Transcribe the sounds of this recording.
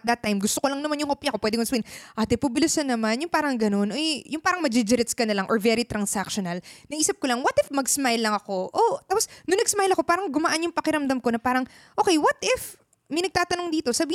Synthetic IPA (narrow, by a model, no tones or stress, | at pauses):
t̪̚d̪ɐt̪ːajmɡʊst̪okolɐŋnɐmanjʊŋhopjɐkopwɛːd̪ɪkmɐsbihɪnʔaːt̪ɛpʊbɪlɪsɐnːɐmanjʊŋpaːɾɐŋɡɐno̞nʔojjʊŋpaːɾɐŋmɐd͡ʒɪd͡ʒɛɾɪt̪skɐnɐlɐŋʔo̰ɹvɛɾit̪ɾɐnsakʃonɐlnɐʔiːsɐp̚kolɐŋwɐt̪ɪfmɐɡsmajlːɐŋɐko̞ʔot̪aːposnʊnɐɡsmajlɐko̞paːɾɐŋɡʊmɐʔanjʊŋpɐkɪɾɐmd̪ɐmkonɐpaːɾɐŋ | ʔo̞ːkɛjwɐt̪ɪf | mɐjnɐɡ̚t̪aːt̪ɐnoŋd̪iːt̪o̞sɐbiː